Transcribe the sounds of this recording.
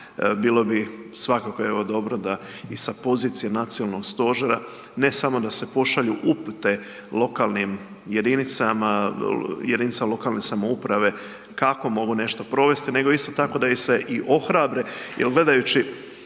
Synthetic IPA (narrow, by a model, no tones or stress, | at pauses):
biːlo̞bisʋakakoeʋo̞d̪o̞bɾod̪a | isapo̞ziːt̪sijanat̪sijonalno̞ɡst̪o̞ʒeɾa | ne̞samo̞d̪ase̞po̞ʃaʎuʔuput̪e̞ | lo̞kaːlnim | je̞d̪init̪sama | jed̪init̪samalˠo̞kaːlˠne̞samoupɾaʋe̞ | kako̞mo̞ɡune̞ʃt̪o̞pɾo̞ʋe̞st̪ine̞ɡo̞ist̪o̞t̪ako̞d̪aise̞ʔiʔo̞xɾabɾe̞jelɡle̞d̪ajut͡ɕi